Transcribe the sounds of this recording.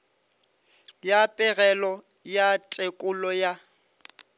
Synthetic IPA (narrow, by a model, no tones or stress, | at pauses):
japʼɪɣɛlɔ | jatʼekʼʊlɔja